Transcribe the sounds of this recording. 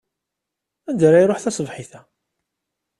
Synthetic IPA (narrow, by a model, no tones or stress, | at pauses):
ænd̪ɾæjɾˤoħθæsˤəvħiθæ